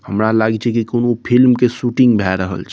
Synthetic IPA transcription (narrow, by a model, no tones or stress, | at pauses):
həmɾalaɡit͡ʃʰekikonopʰilmkesuːʈɪ̃ŋɡbʱɛɾəɦə̰lt͡ʃʰ